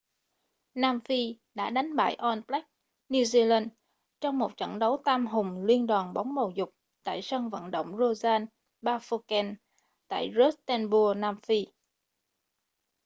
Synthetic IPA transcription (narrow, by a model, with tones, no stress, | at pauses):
naː˧mfi˧ | ɗa̰ː˧˥ɗa˨˦jŋ̟ɓa̰ː˧˩jʔɔ˧nplɛ˦˥k̚ | ni˧zi˧laː˧n | t͡ɕɔ˧wŋ͡mmo˨˩t̚t͡ɕə̰˧˩nɗə˨˦wt̪aː˧mɦʊ˨˩ŋ͡mlwi˧ənɗaː˨˩nɓa˨˦wŋ͡mmo˨˩wzʊ˨˩k͡p̚ | t̪a̰ː˧˨jsə˧ŋvə̰˧˨nɗə̰˧˨wŋ͡mzo˧zaː˧n | ɓaː˧fo˧kɛ˧n | t̪a̰ː˧˨jzo˦˥t̚t̪ɛ˧nɓu˧naː˧mfi˧